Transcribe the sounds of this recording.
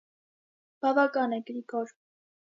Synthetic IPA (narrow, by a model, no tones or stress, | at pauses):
b̥ɑvɑkɑnɛɡɾikɔɾ